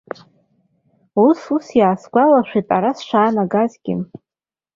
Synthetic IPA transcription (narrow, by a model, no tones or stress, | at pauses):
ususjaːsɡʷalaʃᶣʷitʼaɾasʃʷaːnaɡazɡʲɪ̰n